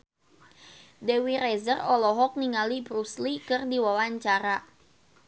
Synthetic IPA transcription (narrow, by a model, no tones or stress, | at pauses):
dewiɾɛzərɔlɔɦɔk̚niŋalibɾuslikɨrdiwawaɲt͡ʃaɾa